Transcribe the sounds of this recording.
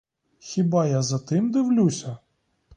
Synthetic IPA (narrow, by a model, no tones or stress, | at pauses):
xʲibɑjazɐt̪ɪmd̪ɪwlʲusʲɐ